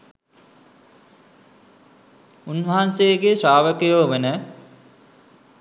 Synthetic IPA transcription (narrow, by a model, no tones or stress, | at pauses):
unʋɐɦanseəɡeʃaːʋəkəjoːʋenə